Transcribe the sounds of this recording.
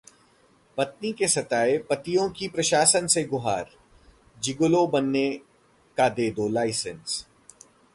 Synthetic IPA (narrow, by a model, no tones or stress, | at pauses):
pɐt̪̚nikesɐt̪aːepɐt̪ijõkipɾɐʃaːsənseɡʊɦaːɾ | d͡ʒɪɡolobɐnːe | kad̪eːd̪olaːɪsəns